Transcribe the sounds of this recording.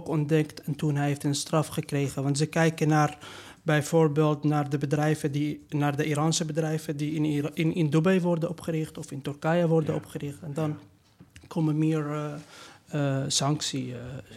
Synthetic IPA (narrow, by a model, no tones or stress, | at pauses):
kɔndɛktɛntunɦɛjɦeftənstrɑfχəkrejχənʋɑntzəkɛjkənaːr | bɛjvoːrbeːlˠtnaːrdəbədrɛjvədinaːrdəʔiːɾɑnsəbədrɛjvədiɪɪnɪndubɛjʋɔrdənɔpχəɾɪχtɔfɪntɔrkajəʋɔrdənɔ̰pχərɪχtɛndɑn | kʰɔməmɪːɹ | sɑŋksi